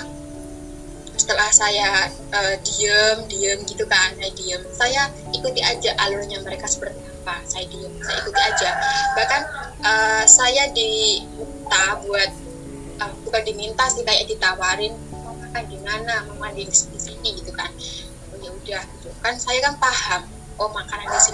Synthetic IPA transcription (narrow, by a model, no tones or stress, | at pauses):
sə̥t̪əlahsaja | ədiəmdiəmɡit̪ukanaidiəmsaja | ikut̪iad͡ʒaʔalulɲaməɾekasə̥bərt̪iapasajadiəmsaja̰ikut̪iad͡ʒabakanʔəːsajadi | t̪abuat̪̚ | ʔəmit̪ukandimint̪asibajaʔdit̪awaɾɪnomakandimanaməmanɪŋspisit̪iɡit̪ukan | puɲaudahɡit̪ukansajakanpaɦam | ʔomakananasi